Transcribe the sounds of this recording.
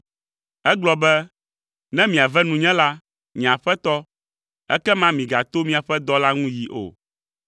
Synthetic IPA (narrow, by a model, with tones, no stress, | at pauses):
ɛ˦ɡ͡blɔ˨bɛ˦ | nɛ̃˦mĩ˨a˨vɛ˦nũ˨ɲɛ̃˦la˦ | ɲĩ˨a˨ɸɛ˦t̪ɔ˦ | ɛ̰˦kɛ˦mã˦mĩ˨ɡa˨t̪o˦mĩ˦a˨ɸɛ˦d̪ɔ˦la˦ŋũ˦ji˨ʔo̰˨